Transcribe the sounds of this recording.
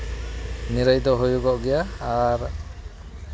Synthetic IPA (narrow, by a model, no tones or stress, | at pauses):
niɾajd̪ɔɦujuɡɔʔɡɛjaːɾ